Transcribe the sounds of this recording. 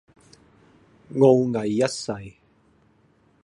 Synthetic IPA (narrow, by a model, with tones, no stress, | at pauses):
ŋo˧wŋɐ˨˩jːɐ˦t̚sɐ˨˩j